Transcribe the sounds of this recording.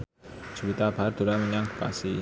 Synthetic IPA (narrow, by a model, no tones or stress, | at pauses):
d͡ʒ̥uwit̪ab̥ard̪̥o̤ɾaməɲaŋu̥pa̰si